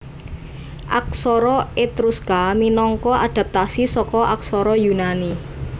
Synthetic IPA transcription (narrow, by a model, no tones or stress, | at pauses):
ʔak̚sɔɾɔet̪ɾuskaminɔŋkɔaɖ̪̥a̤p̚t̪asisɔkɔʔaksɔɾɔjunani